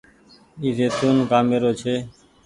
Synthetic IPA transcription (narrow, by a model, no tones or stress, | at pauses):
izet̪unɡameɾot͡ɕʰe